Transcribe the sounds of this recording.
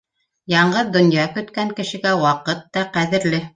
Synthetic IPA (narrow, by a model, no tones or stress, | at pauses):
jɑɴɢɤðd̪ŏnjɑkɵ̆t̪kæŋkɘ̆ʃɘ̆ɡæwɑqɤt̪ːɑqæðɘ̆ɾlɘ